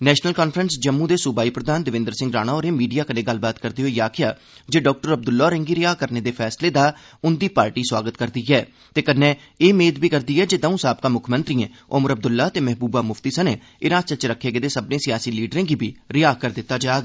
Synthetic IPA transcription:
nɛːʃnəlkaːnpʰɾənsd͡ʒəmːũːd̪eːsʊbaːiːpɾəd̪aːnd̪ɪʋɪ̃nd̪əɾsɪ̃ŋɡɾaːɽ̃aːoːɾeːmiːɖijaːkənẽːɡəlbaːt̪kəɾd̪eːɦoːijaːkʰɪjaː | d͡ʒeːɖɔːk̚ʈəɾəb̚d̪ʊlːaːɾẽŋɡiːɾɪjaːkəɾneːd̪eːpʰɛːsleːd̪aː | ʊnd̪iːpaːɾʈiːswaːɡət̪kəɾd̪iːɛː | t̪eːkənːɛ̃ː | eːmeːd̪biːkəɾd̪iːɛːd͡ʒeːd̪aːũːsaːb̚kãːmʊkʰmə̃nt̪ɾiːẽː | ʔʊməɾəb̚d̪ʊlːaːt̪eːmɛɦbuːbaːmʊft̪iːsəneː | ɪnãːst͡ʃət͡ʃɾəkʰːeːɡeːd̪eːsəbnẽːsɪjaːsiːliːɖɾẽːɡiːbiːɾɪjaːkəɾd̪ɪt̪ːaːd͡ʒaːɡ

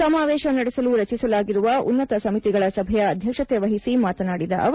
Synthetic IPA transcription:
ɐmaːʋɛːʃɐnɐɽɛsɐluɾɐt͡ʃisɐlaːɡiɾuʋɐʔṵnːɐt̪ɐsɐmit̪iɡɐɭɐsɐbʱɐjɐːd̪ʱjɐkʂɐt̪eʋɐɦisimaːt̪ɐnaːɽid̪ɐ̰ʔɐʋ

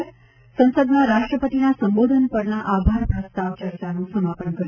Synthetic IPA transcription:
sə̃w̃səd̪naɾaʃʈɾəpət̪inasəmbod̪ʱənpəɾnaʔabʱaɾpɾəst̪aʋt͡ʃəɾt͡ʃanũsəmapəɳkə

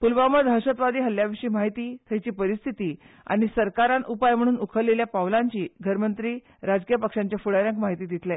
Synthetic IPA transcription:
pulʋaməd̪ʱɦəɕət̪ʋad̪iːɦəljaʋiʂiːmaɦit̪iːt̪ʰəjt͡ɕiːpəɾist̪ʰit̪iː | a̰ɽ̃isəɾkaɾanupajm̤əɽ̃uːnukʰəɾleljapawlaɲt͡ɕiːɡʱəɾmənt̪ɾiː | ɾad͡zkijəpəkʂaɲt͡ɕjafuɽaɾjãŋkmaɦit̪iːd̪ʱit̪lɛ

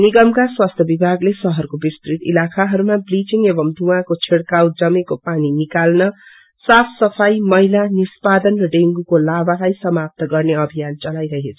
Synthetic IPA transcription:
niɡʌmkaswast̪ʰjʌbibʱaɡlesʌɦʌrkobist̪rit̪ḭlakʰaɦʌɾumabrit͡siŋebʌmd̪ʱuãkot͡sʰeɽkawd͡zʌmekopaninikalnʌ | sapʰsʌpʰajmʌilanispad̪ʌnrʌɖeŋɡukolabalajsʌmap̚t̪ʌɡʌrneʌbʱijant͡sʌlajɾʌɦet͡sʰʌ

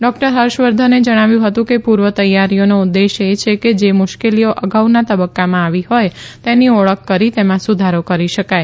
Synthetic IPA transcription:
ɖɔk̚ʈəɾɦəɾʃʋəɾd̪ʱəned͡ʒəɽ̃aʋjũɦət̪ũkepuɾʋət̪əjːaɾijonoud̪ːeʃet͡ʃʰeked͡ʒemʊʃkelijoʔəɡawnat̪əbəkːamãaʋihojt̪eniɔɭəkːəɾit̪emãsud̪ʱaɾokəɾiʃəkaj

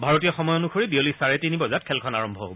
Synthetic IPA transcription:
bʱaɹotijɔxɔmɔjonuxʰoɹibiolisaɹetinibɔzat̚kʰɛlkʰɔnaɹɔmbʱɔɦo̰bɔ

